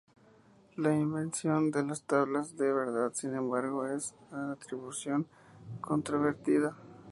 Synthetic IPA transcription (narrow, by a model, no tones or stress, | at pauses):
laimbe̞nsjo̞nd̪e̞last̪aβlazðeβe̞ɾðaðsinẽ̞mbaɾɣo̞e̞sat̪ɾiβusjo̞ŋ | kʰo̞nt̪ɾoβe̞ɾt̪iða